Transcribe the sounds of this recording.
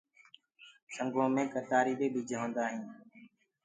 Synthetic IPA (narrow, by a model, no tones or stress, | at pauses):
səŋɡõːmẽːkəɾt̪aːɾiːɓeːɓiːd͡ʒʱəɦõːnd̪aːɦĩː